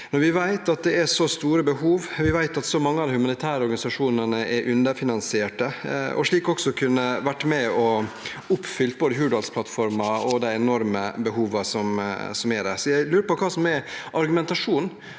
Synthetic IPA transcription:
nɔɾʋɪʋæɪt̪ɑt̪̚d̪ɛæʂɔst̪uːɾəbəɦuːʋʋɪʋæɪt̪ɑt̪sɔmɑŋːəɑd̪ɪhʉmɑnɪt̪ʰæːɾəɔɾɡɑnɪsɑʂuːnənəʔɛɾʔʉnd̪əɾfɪnɑnsɪeːʈəɔ̰ʂɭiːkɔksɔkʰʉnːəʋæʈːmɛɔ | ʊpːfʏlt̪̚boːd̪əɦʉːɖɑlspʰlɑt̪fɔɾmɑɔd̪æɪɛnɔɾməbəɦuːʋəsɔmsɔmæɖæsɔjæɪlʉːɾəpɔkʰɑːsɔmɛʔɑɾɡʉmɛnt̪ɑʂuːn

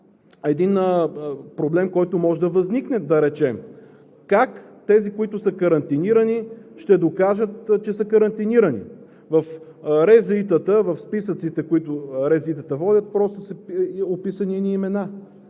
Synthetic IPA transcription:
ɛd̪inəpɾoblɛmkɔjt̪ʊmɔʒɛd̪ɐvɐzniknɛd̪ɐɾɛt͡ʃɛm | kakt̪ɛzikoit̪ʊsəkɐɾɐnt̪iniɾəniʃt̪ɛd̪okaʒət̪t͡ʃɛsəkəɾɐnt̪iniɾənḭ | vɐf | ɾɛzit̪ət̪əvɐfspisət̪sit̪ɛkoit̪ʊɾɛzlit̪ət̪əvɔd̪ʲət̪̚pɾɔst̪ʊsopisəniniːmɛna

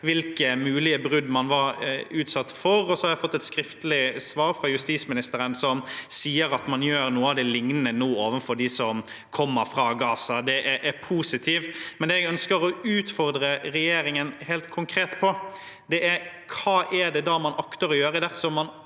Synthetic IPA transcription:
ʋɪlkəmʉːlɪəbɾʉd̪mɑnʋɑɾʉːt̪sɑt̪ːfɔɾɔsɔhɑɾjæɪfɔt̪ːɛt̪skɾɪft̪əlɪsʋɑːɾfɾɑjʉst̪iːsmɪnɪst̪əɾənsɔmsiːəɾɑt̪mɑnjøːɾnuːəɑʋd̪ɛlɪŋnənənuːoːʋənfɔɾɖɪsɔm | kʰɔmːəɾfɾɑːɡɑːsɑd̪ɛʔæʔæɾpʰuːsɪt̪ʰiːft̪mɛnd̪ɛɛɡœnskəɾɔʉːt̪fɔɾd̪ɾəɾɛjeːɾɪŋənhɛːlt̪kʰʊŋkʰɾeːt̪pʰɔ | d̪ɛʔæɾ | kʰɑːʔɛɖɛd̪ɑːmɑnɑkt̪əɾɔjøːɾəd̪æʁsɔmɑn

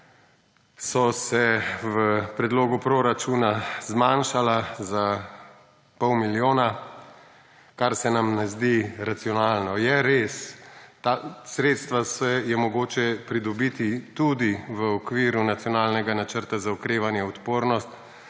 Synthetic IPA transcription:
sɔsɛʋəpɾɛd̪loːɡupɾoɾat͡ʃunazmanʃalaza | pɔwmiljoːna | kaɾsɛnamnɛzd̪iɾat̪sijɔnaːlnɔjɛɾest̪asɾeːt̪st̪ʋasɛjɛmɔɡoːt͡ʃɛpɾid̪ɔbit̪it̪ud̪iʋəɔkʋiːɾunat̪sjɔnaːlnɛɡanat͡ʃəɾt̪azaɔkɾeːʋanjɛɔt̪poːɾnɔst̪

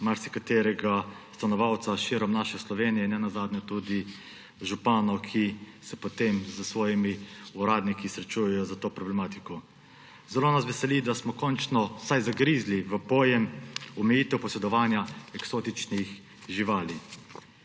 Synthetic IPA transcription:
maɾsikat̪eːɾɛɡast̪anɔʋawt̪saʃiɾɔmnaːʃɛslɔʋeːnijɛnɛnazaːd̪nɛt̪ud̪i | ʒupaːnɔkʰi | sɛpot̪emzəsʋɔːjimiuɾaːd̪nikisɾɛt͡ʃujɛjɔzat̪oːpɾɔblɛmaːt̪ikɔ | zɛloːnas̬ʋɛsɛlid̪asmɔkɔnt͡ʃnɔsajzaɡɾizliʋəpɔːjɛmɔmɛjiːt̪ɛwpɔsɛd̪ɔʋaːnjaɛksoːt̪it͡ʃnix | ʒiʋaːli

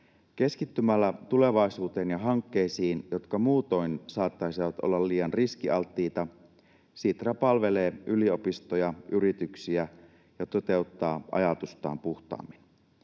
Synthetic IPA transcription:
ke̞skit̪ːymælːæt̪ule̞ʋɑisuːt̪e̞ːnjɑɦɑŋkːeisiːnjo̞t̪kɑmuːt̪oinsɑːt̪ːɑisiʋɑt̪ʔo̰lːɑlliːjɑnriskiɑlt̪ːiːt̪ɑ | siːt̪rɑpɑlʋe̞le̞ːʔylio̞pist̪ojɑʔyɾit̪yksiæ | jɑt̪o̞t̪e̞ut̪ːɑːʔɑ̰jɑt̪ust̪ɑ̰ːmpuht̪ɑ̰ːmːin

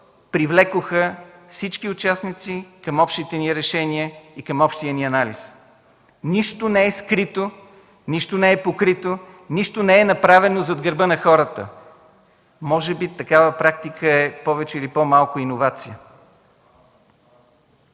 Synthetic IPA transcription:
pɾivlɛkʊxəfsit͡ʃkiʊt͡ʃasnit̪sikɐmɔpʃt̪it̪ɛniɾɛʃɛniəikəmɔpʃt̪iəniɐnalis | niʃt̪onɛɛskɾit̪o | niʃt̪onɛɛpokɾit̪o | niʃt̪onɛɛnɐpɾavɛnozɐd̪ɡəɾbənɐxɔɾət̪ə̰ | mɔʒɛbit̪ɐkavəpɾak̚t̪ikəɛpɔvɛt͡ʃɛilipɔmalˠkʊinovat̪sijə

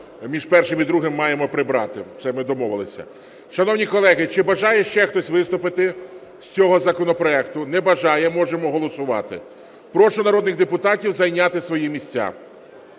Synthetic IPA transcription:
mʲiʒpɛrʃɪmid̪ɾuɦɪmːɑjemɔpɾɪbɾɑ̰t̪ɪ̰t̪sɛmɪd̪ɔmɔʋɪlˠɪsʲɐ̰ | ʃɐnɔwnʲikɔlˠɛɦɪt͡ʃɪbɐʒɑjɛʃt͡ʃɛxt̪ɔsʲʋɪst̪ʊpɪt̪ɪ | sʲt͡sʲɔɦɔzɐkɔnɔpɾɔɛkt̪ʊnɛbɐʒɑjɛmɔʒemɔɦɔlˠɔsʊʋɑ̰t̪ɪ̰ | pɾɔʃʊnɐɾɔd̪nɪɣd̪epʊt̪ɑtʲiwzɐjnʲat̪ɪsʋɔjimʲisʲt͡sʲːa̰

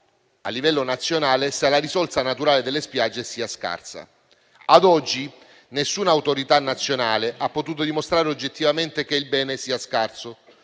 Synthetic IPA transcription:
a̰lːivɛlːonat̪sːjonaːlesalaɾisɔltsanat̪uɾaːled̪elːespjad͡ʒːesiːaska̰rsa̰ | ad̪ɔd͡ʒːi | nesːuːnaːwt̪oɾit̪anːat̪sːjonaːleʔapːot̪uːt̪̬od̪imost̪ɾaːɾeod͡ʒːet̪ːivament̪ek̟eilbɛːnesiːaskarso

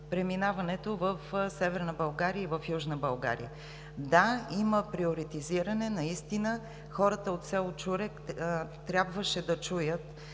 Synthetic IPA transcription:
pɾɛminavɐnɛt̪ovəfsɛvɛɾnəbɐlˠɡaɾiəivəfjuʒnəbɐlˠɡa̰ɾḭə̰ | d̪aiməpɾioɾit̪iziɾənɛnɐist̪inə | xɔɾət̪əot̪sʲɛlˠt͡ʃuɾɛkt̪ɾʲjabvəʃɛd̪ɐt͡ʃujət̪

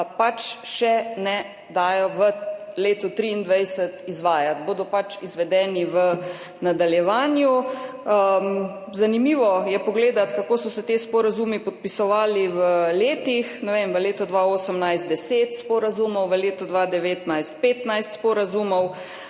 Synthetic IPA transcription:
pat͡ʃʃɛnɛ | d̪aːjɔʋəleːt̪ut̪ɾiːnd̪ʋajsət̪izʋaːjat̪̚boːd̪ɔpat͡ʃizʋɛd̪ɛːniʋə | nad̪aljɛʋaːnju | zanimiʋɔjɛpɔɡleːd̪at̪kakoːsɔsɛt̪espɔɾazumipɔt̪̚pisɔʋaːliʋəleːt̪ixnɛʋemʋəleːt̪ɔd̪ʋaoːsəmnajst̪̚d̪ɛseːt̪spɔɾazumɔwʋəleːt̪ɔd̪ʋad̪ɛʋeːt̪najst̪̚peːt̪najst̪spɔɾazumɔw

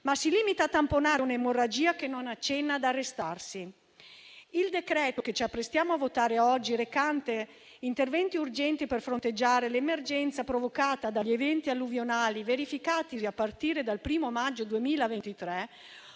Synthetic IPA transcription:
masiliːmit̪at̪amponanemorad͡ʒiːakenːonat͡ʃːɛnːaːd̪arːest̪arsi | ild̪ekɾɛːt̪oket͡ʃiapːɾest̪jaːmoavot̪aːɾeɔd͡ʒːiɾekant̪e | int̪ervɛnt̪iurd͡ʒɛnt̪iperfɾont̪ed͡ʒːaːɾelemerd͡ʒɛnt̪sapɾovokaːt̪ad̪aʎːievɛnt̪ialːuvjonaːliveɾifikaːt̪iziapːart̪iːɾed̪alpɾiːmomad͡ʒːod̪uemiːlavent̪it̪ɾɛ

